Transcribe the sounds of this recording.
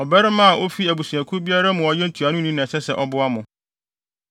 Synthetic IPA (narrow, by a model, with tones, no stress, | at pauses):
ɔ˨bɛ˦ɾɪ˦mã˦a˨ʔo˦fi˦æ˨bu˨su˨æ̃˨kʰʊ˦bi˦a˦ɾa˦mʊ̃˨ɔ˦jɛ˦n̩˦tʰu˨a˨nʊ̃˦nĩ˦nɛ̃˨sɛ˦sɛ˨ʔɔ˦bʊ˦a˦mʊ̃˨